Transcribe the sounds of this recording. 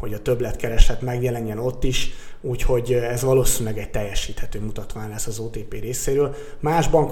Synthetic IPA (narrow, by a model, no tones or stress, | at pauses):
ho̞ɟɒt̪øblɛt̪kɛɾɛʃlɛt̪mɛɡjɛlɛɲːɛno̞t̪ːiʃuːcho̞ɟɛzʋɒloːsiɲulɛɡɛc̚t̪ɛjːɛʃiːt̪hɛt̪øːmut̪ɒt̪ʋaːɲlɛsːɒzoːt̪eːpeːɾeːseːɾøːl | maːʒbɒŋk